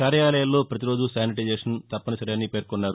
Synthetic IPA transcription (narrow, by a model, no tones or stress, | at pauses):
kaːɾjaːlɐjɐlːo̞ːpɾɐt̪iɾo̞ːd͡ʒusaːniʈɐd͡ʒeːʂɐnt̪ɐpːɐnɐsɐɾeɐnːiːpe̞ːɾkɔnːaːɾu